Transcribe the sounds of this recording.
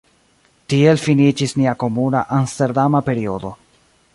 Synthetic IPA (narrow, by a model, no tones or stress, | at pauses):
tie̞lfinit͡ʃisniako̞muna̰ʔanste̞ɾdamape̞ɾio̞do̞